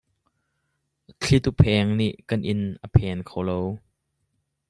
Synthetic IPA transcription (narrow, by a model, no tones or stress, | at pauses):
t͡ɬʰit̪upʰɛːŋniʔkɐnʔɪnʔəpʰɛːnkʰowlow